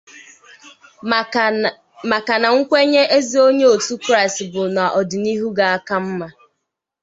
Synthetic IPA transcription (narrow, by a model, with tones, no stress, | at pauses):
ma˨ka˨na˨ŋ̩˦kʷe˦ɲe˦ʔe˦zi˨o˦ɲe˦o˨tu˦kɾa˦ɪ˨stbʊ˨na˨ʔɔ˨dɪ˨ni˦ɦu˦ɡa˨a˦ka˦m̩˦ma˦